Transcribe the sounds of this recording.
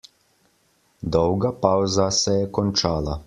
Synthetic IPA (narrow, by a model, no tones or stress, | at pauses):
d̪ɔwɡapawzasɛjɛkɔnʲt͡ʃaːlˠa